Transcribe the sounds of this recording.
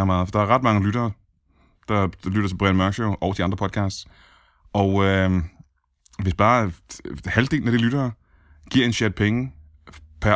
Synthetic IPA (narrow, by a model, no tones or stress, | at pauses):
mɑ̈ːð̩ˠfɒd̥ɑ̈æɐʁɑ̈d̥mɑ̈ŋəlyɾ̥ɐː | d̥ɑ̈d̥lyɾ̥ɐt͡sʰeb̥ʁɛnmɶɐɡɕoʊʔɒʊd̥iɑ̈nd̥ʁɐpʰɒ̽d̥kʰɑ̈ːsd̥s | ʔɒ̽ʊø | ʋe̝sb̥ɑ̈ː | hæld̥e̝ːln̩æɾ̥ilyɾ̥ɐː | ɡ̥iɐ̰e̝nɕeɐd̥̚pʰeŋə | pʰæɐ